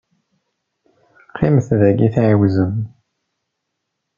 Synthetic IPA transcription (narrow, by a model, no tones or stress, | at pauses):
qːiməθðæɡiθʕiwzəm